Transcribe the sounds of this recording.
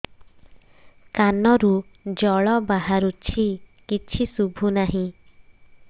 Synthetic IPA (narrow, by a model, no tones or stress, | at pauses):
kanɔɾud͡ʒɔɭɔbaɦaɾut͡ʃʰikit͡ʃʰisubʱunaɦĩ